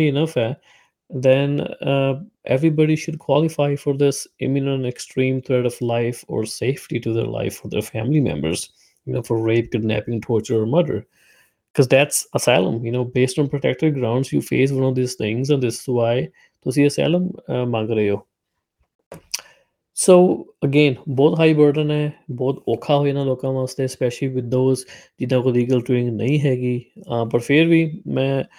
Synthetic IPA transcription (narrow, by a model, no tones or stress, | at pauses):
iɪnʌfɛ | d̪ɛ̃n | ʔɛ̰ʋɾibɑɖiʃʊɖ̚kʰwɔlɪfaɪfɔɾd̪ɪsɪ̰̃mɪnə̃nʈɛksʈɾĩːmt̪ʰɾɛɖɔʋlaɪfɔ̰ːɾseɪfʈiʈud̪ɛ̰ːɾlʔa̰ɪfːɔɾd̪ḛɾfæ̃ːmlimɛ̰̃mbə̰ɾz̥ | jɨnoːfɔɾɾeɪp̚kɪɖnæ̰pɪ̃ŋʈʰɔːɾt͡ʃəɾɔːɾmʌd̪ə̰ɾ | kʰɔzd̪æʈsəsaɪlə̰̃mjɨnoːbeːsʈɔ̃ːnpɾoʈɛk̚ʈəɖɡɾãʊ̃ɳɖzjuːfeːs̬wʌ̃nɔfd̪iːz̥t̪ʰɪ̃ŋzɛ̃nd̪ɪsːuaɪ | t̪oʊs̬ĩːəsa̰ɪlə̃mːãŋɡɾəeoː | soːəɡẽːnbɔːt̪ɦaːibəɾɖənɛːbɔːt̪oːkʰaːɦoːinãloːkãːʋãːst̪espɛʃəliʋɪd̪oːzd͡ʒɪnãːkoːliːɡəlʈuɪ̃ŋɡnə̰ĩːɦɛːɡiːbəʈfʰɪɾʋiːmɛ̃ː